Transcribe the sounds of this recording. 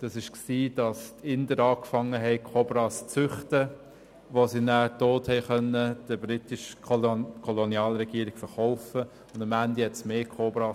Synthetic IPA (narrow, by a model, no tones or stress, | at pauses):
d̥ɑsɪʃksiːd̥ɑstɪndəɾɑːkfɑŋːəɦɛɪkʰobɾɑːst͡sʏχtə | ʋosinæːtoːthɛɪχœnəd̥əbɾitɪʃ | kʰɔlonjɑːlɾɛɡiəɾɪɡ̥fəɾχɔʊfə | ʊ̃ndɑmændihɛtsmeːkʰobɾɑː